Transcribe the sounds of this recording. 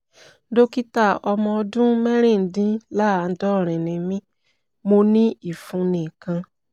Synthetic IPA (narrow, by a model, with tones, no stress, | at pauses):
do˦ki˦ta˦˨ɔ˧mɔ̃˧ɔ˧dũ˦mɛ̃˦ɾ̃ĩ˦˨n̩˨dĩ˦la˦˨˧dɔ˦˨ɾ̃ĩ˨nĩ˨mĩ˦ | mo˧nĩ˦i˦˨fũ˧nĩ˨kã˧